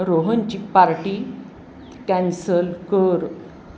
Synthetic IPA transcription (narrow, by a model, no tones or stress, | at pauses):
ɾoɦəɲt͡ɕik̚paɾʈi | kɛ̃nsəlkəɾ